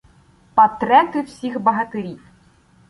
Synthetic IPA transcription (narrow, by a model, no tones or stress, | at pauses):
pɐt̪ɾɛt̪ɨwsʲixbɐɦɐt̪ɪɾʲij